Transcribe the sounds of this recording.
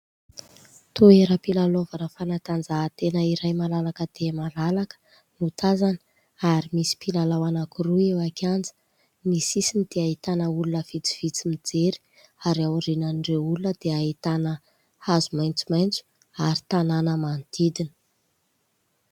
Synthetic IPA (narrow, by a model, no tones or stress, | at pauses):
t̪oeɾəpilalovanəfanat̪and͡zaɦːt̪enəiɾajmalalakəd̪̥emalalakə̥ | nut̪azanə̥ | aɾimisi̥pilalawanakuruewakand͡zə̥ | misisinid̪̥eait̪anəulunəv̥it͡si̥v̥it͡simid͡zeɾi̥ | aɾiawɾinanɖ͡ʐeulunəd̪̥eait̪anə | hazumajnt͡sumajnt͡su̥ | aɾi̥t̪ananəmant̪id̪inə